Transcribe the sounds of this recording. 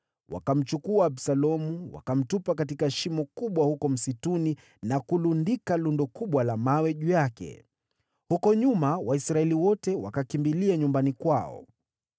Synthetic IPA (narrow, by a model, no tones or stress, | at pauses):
wa̰kam̩t͡ʃukuaːbsalɔmuwa̰kam̩tupakat̬ikaɛʃimɔkuɓwahukɔm̩situni | nakulundikalundɔkuɓwalamawɛʄujakɛ̰ | hukɔɲumawaisɾaɛliwɔtɛwa̰kakimbiliaɲumbanikwaɔ̰